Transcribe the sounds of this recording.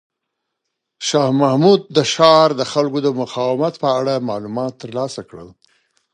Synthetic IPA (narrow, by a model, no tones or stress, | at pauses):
ʃɑhmahmud̪̚ːəʃɑɾd̪əxalkod̪əmʊqɑwɪmat̪pəaɽamɑlumɑt̪ːəɾlɑsakɽə̰l